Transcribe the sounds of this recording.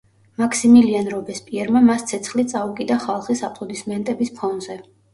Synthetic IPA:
makʰsimilianɾɔbɛspʼiɛɾmamast̪sʰɛt̪sʰχlit̪sʼaukʼid̪aχalˠχisapʼlˠɔd̪ismɛnt̪ʼɛbispʰɔnzɛ

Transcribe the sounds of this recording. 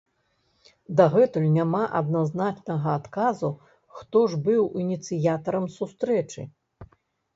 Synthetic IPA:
d̪aɣɛt̪ulʲnʲamaʔɐd̪̚naznat͡ʂnɐɣɐat̪kazu | xt̪ɔʐbɨwinʲit̪sɨjat̪ɐɾɐmsust̪ɾɛt͡ʂɨ̰

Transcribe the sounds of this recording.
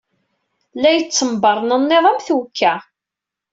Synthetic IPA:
læjət͡sːəmbəɾˤnənːeðˤæmθwkʰːæ

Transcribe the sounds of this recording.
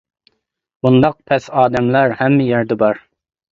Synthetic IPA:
bund̪ɑq̚pʰɛsɑːd̪ɛmlæɾhɛmːɪjæɾd̪ɛbɑɾ

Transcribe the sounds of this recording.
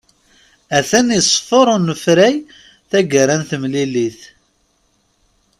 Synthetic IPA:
æθænisˤfoɾˤʊnəfɾæj | θæɡəɾanθəmliliθ

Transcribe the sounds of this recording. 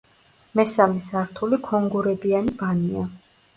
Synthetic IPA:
mɛsalisaɾt̪ʰulikʰɔŋɡuɾɛbianibania

